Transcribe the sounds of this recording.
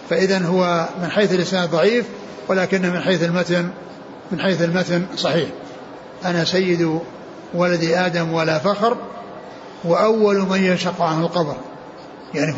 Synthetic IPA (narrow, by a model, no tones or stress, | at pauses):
faʔɪðanɦʊwamɪnħejθalʔɪsnaːd̪ðˤɑʕiːf | walaːkɪnːahmɪnħeːθɪlmat̪n | mɪnħeːθalmat̪nsˤɑħiːħ | ʔanasajːɪd̪ | walad̪iʔaːd̪amwalafaxɾ | waʔawːalmanjʊnʃɑqːʕanhalqɑbɾ | jaʕni